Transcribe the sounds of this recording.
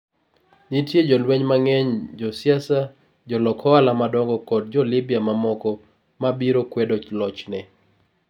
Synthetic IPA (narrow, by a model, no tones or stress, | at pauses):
nitjed͡ʒɔlweɲmaŋɛɲd͡ʒɔsjasa | d͡ʒɔlɔkʰɔalamadɔŋɡɔkɔd̚d͡ʒɔlibijamamɔkɔ | mabiɾokwɛdolɔt͡ʃnɛ